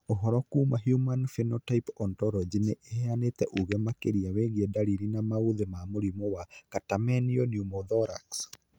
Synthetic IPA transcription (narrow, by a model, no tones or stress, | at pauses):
oɦɔɾɔkuːmaɦjumanfinotaipɔntɔɾɔd͡ʒineʔehɛanetɛʔuɣɛmakeɾiaweɣiɛdaɾiɾinamauðemamoɾimɔwakatamɛniɔnjumɔðɔɾa̰ks